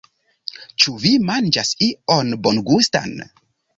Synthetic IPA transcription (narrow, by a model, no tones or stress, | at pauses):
t͡ʃuvimand͡ʒasionbonɡusta̰n